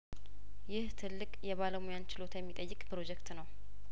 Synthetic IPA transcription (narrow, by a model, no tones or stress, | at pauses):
jɪht̪ʰɨlːɨkʼjɛβaləmujant͡ʃɪlo̞t̪jɛmːit̪ʼəjːɪkʼpʰɨɾo̞d͡ʒɛkt̪nəw